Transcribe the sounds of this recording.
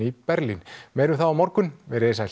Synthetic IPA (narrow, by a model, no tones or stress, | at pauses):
ipɛɾlinmeːjɾʏθaðawmɔɾkʏnvɛðɾɛeːsa